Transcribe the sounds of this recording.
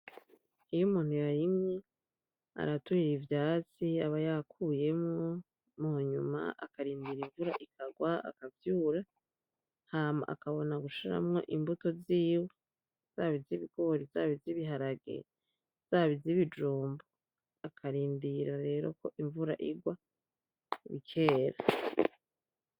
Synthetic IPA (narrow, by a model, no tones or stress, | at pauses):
ijumuːn̥hujajimŋe | a̰ɾatuɾiɾivjaːt͡siaβajakʰuje̞mŋo | muɲuma̰ʔa̰kaɾiːndiɾiɱvuɾa̰ʔikʰaɡwaa̰kavjuːɾa | haːma̰ʔa̰kaβo̞naɡuʃiɾa̰mŋo̞̰ʔimbuto̞ziːwe | z̥aːβiziβiɡ̥o̞ɾizaːβiziβiɦaɾaɡe̞̰ | z̥aːβiziβid͡ʒuːmbo | akʰaɾiːndiɾaɾe̞ːɾo̞̰ko̞ʔiɱvuɾa̰ʔiɡwa | βikʰeːɾa